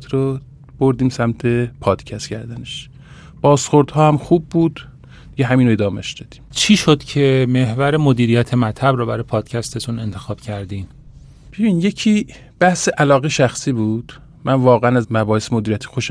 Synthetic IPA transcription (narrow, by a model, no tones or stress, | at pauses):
t̪ʰɾo | b̥oɾd̪iːmsæmt̪ʰe̞pʰɒːd̪̥cʰæst̪cʰæɾd̪æneʃ | b̥ɒːsχoɾd̪hɒːhæmxuːbːuːd̪̥ | d̪iɟeɦæmiːnoed̪ɒːmeʃd̪ɒːd̪̥i̥ːmt͡ʃʰiːʃod̪̥cʰeme̞hvæɾemod̪iːɾijæt̪ʰemæt̪ʰhæbɾɔːbæɾɒjepʰɒːd̪̥cʲʰæst̪et̪ʰune̞nt̪ʰexɒːb̥cʰæɾd̪iːn | b̥ebiːnjecʰiː | b̥æhseʔælɒːɣeʃæxsiːbuːd̪̥ | mʔænvɒːɣeænæzmæbɒːhesemod̪iːɾijæt̪ʰi̥xoʃ